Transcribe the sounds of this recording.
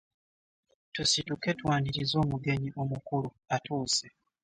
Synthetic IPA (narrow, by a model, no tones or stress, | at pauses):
tusituke̞twaːndiɾizo̞ːmuɡe̞ɲiʔo̞mukulu | atuːse